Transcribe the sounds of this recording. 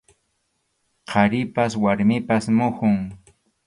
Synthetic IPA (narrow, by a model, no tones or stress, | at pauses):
qʰɑɾɪpaswaɾmɪpasmʊhʊŋ